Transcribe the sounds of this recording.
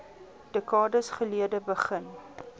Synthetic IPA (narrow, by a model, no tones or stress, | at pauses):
d̥əkɑːdəsχəliədəbəχən